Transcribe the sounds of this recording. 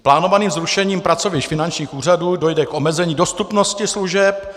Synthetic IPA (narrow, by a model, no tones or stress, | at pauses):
plaːnovaniːmzɾuʃɛɲiːmpɾat͡so̞vɪʃfɪnant͡ʃɲiːxuːr̝aduːdo̞jdɛkʔo̞mɛzɛɲiːdo̞st̪upno̞scɪsluʒɛp̚